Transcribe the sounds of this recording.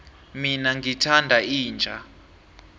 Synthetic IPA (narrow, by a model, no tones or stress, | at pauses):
minaŋɡʱitʰandʱaiːnd͡ʒʱa